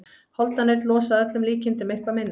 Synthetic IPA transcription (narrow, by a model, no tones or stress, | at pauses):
hɔlt̪anejt̪lɔːsaðœt̪lʏmliːcɪnt̪ʏmejhkvamɪnːa